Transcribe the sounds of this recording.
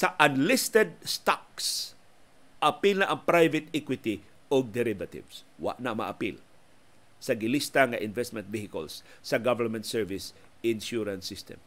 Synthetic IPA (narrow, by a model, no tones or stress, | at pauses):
sɐʔɐnlɪst̪ɛd̪̚st̪ak̚s | ʔɐpilnaʔɐŋpɾajvɪt̪ikwɪt̪ɪ | oɡ̚d̪ɛɾɪvɐt̪ɪ̰vswa̰ʔnamɐ̰ʔapil | sɐɡɪlist̪aŋaʔɪnvɛst̪̚mɛ̃nt̪vihɪkə̰lsː | ɐɡavɛɹmɛ̃nt̪sɛɹvɪs | ʔɪnʃuɾɐnsɪst̪ɛ̰m